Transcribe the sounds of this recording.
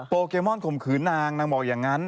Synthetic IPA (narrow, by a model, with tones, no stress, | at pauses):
poː˧keː˧mɔ˥˩nkʰo˨˩mkʰɯː˩˦nːaː˧ŋnaː˧ŋbɔː˨˩k̚jaː˨˩ŋːa˦˥n